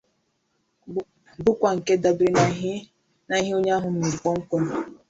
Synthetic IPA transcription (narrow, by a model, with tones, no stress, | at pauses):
bʊ˦kʷa˨ŋ̩˨ke˦da˨bɾi˦n˨˦ | na˨˦ɦi˦o˦ɲ˦a˦ɦʊ˨m̩˦me˨ɾi˨kɔ˦ŋ̩˦kʷo˦no˨